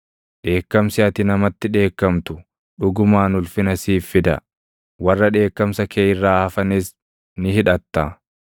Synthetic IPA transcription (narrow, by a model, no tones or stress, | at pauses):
ᶑe̞ːkːɐmsɪɐt̪ɪnɐmɐt̪ːɪᶑe̞ːkːɐmt̪ʊ | ᶑʊɡʊmaːnʊlfɪnɐsiːfːɪd̪ɐ̰ | wɐrːɐᶑe̞ːkːɐmsɐkʰeːjɪrːaːhɐfɐnɪs | nɪhɪᶑɐt̪ːaː